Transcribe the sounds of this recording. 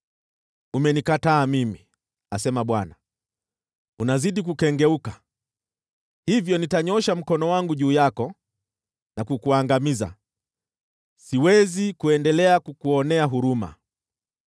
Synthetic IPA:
umɛnikataːmimi | asɛmaɓwana | unaziɗik̬ukɛŋɡɛuka | hivjɔnitaɲɔʃam̩kɔnɔwaŋɡuʄuːjakɔ | nakukuaŋɡamiza̰ | siwɛzikuɛndɛlɛakukuɔnɛaɦuɾuma̰

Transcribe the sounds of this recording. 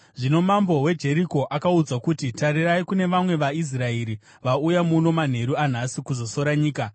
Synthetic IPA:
ʐino̞mambo̞we̞d͡ʒe̞ɾiko̞ʔakaud͡zakutitariraikune̞ʋamwe̞ʋais̬raeɾi | ʋaujamuno̞man̤e̞ɾuan̤asikuzo̞so̞ɾaɲiːka

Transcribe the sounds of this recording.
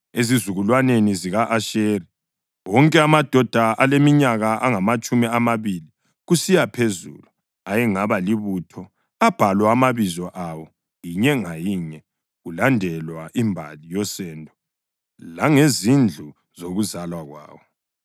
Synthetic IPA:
ezizuɣulwaneniziɣaʔaʃeɾi | wɔŋkʼɛamad̥ʱɔd̥ʱaʔalemiɲaɣaʔaŋamat͡ʃʼumiamaβili | ɣusijapʰezṵlu | ajɛŋaβaliβutʰɔ | ab̥ʱalwaamaβizɔʔawɔ | jiɲɛŋajiɲɛ | ɣulandʱɛlwaʔimbʱa̰lijɔsɛːndʱɔ | laŋezind͡ɮʱu | zoɣuzalwaɣwa̰ːwɔ

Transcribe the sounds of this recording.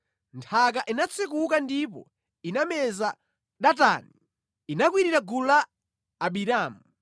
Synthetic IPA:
ntʰak̬aʔinat͡sʰik̬uk̬andip̬ɔ̰ | inamɛza | ɗata̰ːni | inak̬wiɾiɾaɡulaː | ɓiɾaːmu

